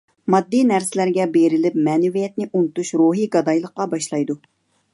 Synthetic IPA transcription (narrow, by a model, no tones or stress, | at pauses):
mɑd̪ːinæɾsɪlæɾɡʲɛbeɾɪlɪpmɛːnɪvijɛt̪̚nɪʔunɨt̪uʃɾuɦiɡɑd̪ɑjlˠəqːɑbɑʃlˠɑjd̪u